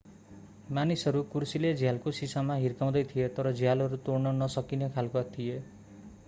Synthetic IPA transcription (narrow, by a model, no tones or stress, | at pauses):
manisɦʌɾukursiled͡zʱjalkosisamaɦirkaw̃d̪ʌjt̪ʰijet̪ʌɾʌd͡zʱjalɦʌɾut̪ornʌnʌsʌkinekʰalkoat̪ʰije